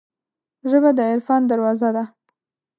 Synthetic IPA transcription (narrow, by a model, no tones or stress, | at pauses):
ʒəbad̪əɪɾfɑnd̪aɾwɑzad̪a